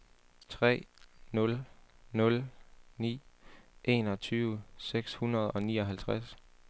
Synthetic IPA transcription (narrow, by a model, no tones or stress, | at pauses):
t͡sʰʁɛ̰ːnɔ̽l | nɔ̽lnḭːʔe̝ːnɒ̽t͡sʰyːʊəseɡ̥shunɐð̞ˠɒ̽nḭːɒ̽ɦælt͡sʰʁas